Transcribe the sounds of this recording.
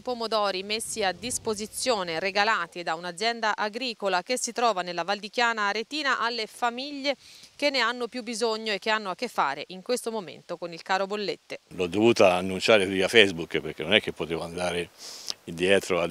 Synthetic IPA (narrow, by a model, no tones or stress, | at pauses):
ipomod̪ɔːɾimesːiad̪ːispozit̪sːjoːneɾeɡalaːt̪id̪aunad̪zːjɛnd̪aʔaɡɾiːkolakesːit̪ɾɔːvanelːavald̪ik̟jaːnaɾet̪iːnaʔalːefamiʎːek̟enːeanːopjubːizoɲːoekːeanːoakːefːa̰ːɾeʔiŋkwest̪omomḛnt̪okonilkaːɾobolːet̪ːelɔd̪ːovuːt̪aːnːunt͡ʃaːɾekiafɛjzbukːpeɾk̟enːonɛkːepːot̪eːvoand̪aːɾeid̪jɛːt̪ɾoa